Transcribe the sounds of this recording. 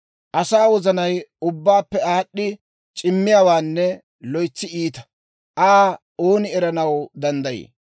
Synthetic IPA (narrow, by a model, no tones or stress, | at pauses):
ʔɐsaːwɔzɐnɐjʊbːaːpːɛaːɗːɪ | t͡ʃʼɪmːɪjaːwaːnːɛ | lɔjt͡sːɪiːt̪ɐ̥ | ʔaː | oːnɪɛɾɐnɐwd̪ɐnd̪ɐjḛː